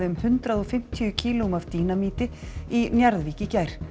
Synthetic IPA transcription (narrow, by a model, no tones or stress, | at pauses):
ɪʏmhʏnt̪ɾaðɔfɪm̥t̪ʰiʏcʰiːlʊumavt̪iːnamiːt̪ɪinjaɾðviːcɪcaːjɾ̥